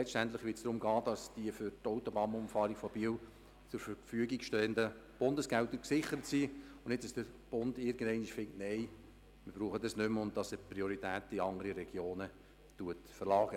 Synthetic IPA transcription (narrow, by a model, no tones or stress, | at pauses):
lɛt͡sstæntlɪχʋɪtsd̥ɾʊmɡɑːdɑsd̥iəfʏɾtoʊtobɑːnʊmfɑːɾiɡ̥fɔb̥iːw | t͡sʊɾfəɾfyəɡiɡʃtɛːəndə | b̥ʊndəsɡ̥æltːəksɪχəɾətsiːʊnɪtt͡səsd̥əɾb̥ʊnd̥ɪɾɡəndɛɪnɪʃfɪŋk̚tnɛɪ | mɪɾb̥ɾuːχədɑsnʏmʊn̚dɑsəpɾioɾitæːtiɑŋəɾiɾɛɡ̥joːnə | tuətfərlɑːɡə